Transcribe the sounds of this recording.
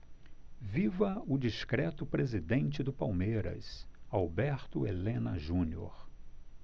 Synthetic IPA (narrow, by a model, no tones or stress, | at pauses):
vivɐʊd͡ʒiskɾɛt̪ʊpɾezid̪ẽnt͡ʃɪd̪ʊpawmejɾɐ̰sawbɛɾt̪ʊḛlẽnɐ̰ʒũnio̰ɾ